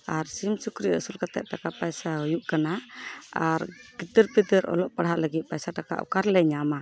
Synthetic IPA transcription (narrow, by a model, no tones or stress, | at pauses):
aɾsimsukɾiəsulkat̪ɛ̰ʔ̚ʈakapajsaɦɔjuʔkanaaɾɡid̪əɾpid̪əɾɔ̰lɔʔpaɽhɦaʔləɡit̪̚pajsaʈaka̰ʔṵkaɾlɛɲama